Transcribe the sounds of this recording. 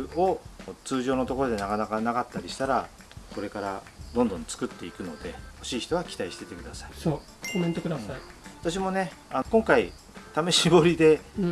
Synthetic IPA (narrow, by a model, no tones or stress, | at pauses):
o̞t͡sɨːʑo̞ːnot̪o̞ko̞ɾo̞d̪e̞nakanakanaɡat̪ːaɾʲiɕi̥t̪aɾa | ko̞ɾe̞kaɾa | d̪õ̞nd̪õ̞nt͡sɨ̥kɯ̟t̪ːe̞ikɯ̟no̞̰d̪e̞̰ho̞ɕiːç̥i̥t̪o̞β̞akʲi̥t̪aiɕi̥t̪e̞t̪e̞kɯ̟d̪asaisoː | komẽnt̪okɯd̪asaiβat̪aɕ̬imo̞ne̞ankõ̞ŋkai | t̪ame̞ɕibo̞ɾʲid̪e̞